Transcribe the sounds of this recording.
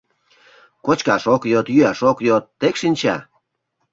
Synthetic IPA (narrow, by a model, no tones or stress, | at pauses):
kot͡ɕkɑʃokjot̪jyɑʃokjot̪ːekʃinʲt͡ɕɑ̰